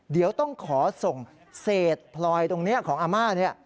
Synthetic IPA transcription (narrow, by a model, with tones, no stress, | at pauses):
di˩˦əwt̪ɔ˥˩ŋkʰɔː˩˦so˨˩ŋ | seː˨˩t̪̚pʰlɔː˧jt̪o˧ŋni˦˥ɐkʰɔː˩˦ŋʔaː˧maː˥˩t̪̚ni˦˥˩ɐ˩